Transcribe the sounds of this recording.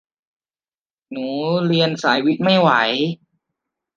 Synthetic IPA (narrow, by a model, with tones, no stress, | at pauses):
nuː˩˦ɾi˧ənsaː˩˦jwi˦˥t̪̚ma˥˩jwa˩˦j